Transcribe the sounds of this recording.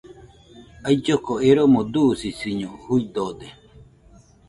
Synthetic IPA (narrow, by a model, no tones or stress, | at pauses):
ajd͡ʒokoeɾomod̪usisiɲohuid̪od̪e